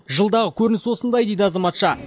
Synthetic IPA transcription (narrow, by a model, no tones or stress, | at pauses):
ʒəlˠd̪ɑʁəkʲʰɵɾɪnɪswo̞sənd̪ɑjd̪e̞jd̪əɑzɑmɑt̪ʃɑ